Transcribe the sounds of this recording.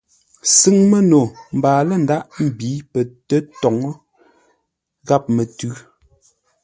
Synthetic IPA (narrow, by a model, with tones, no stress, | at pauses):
si˦˨ŋmɛ˦no˨m̩˨baː˨lɛ˦˨n̩˨da˦ʔm̩˨biː˨˦pɛ˨tɛ˦tɔ˨ŋ˦ | ɣa˦˨p̚mɛ˨tʉ˦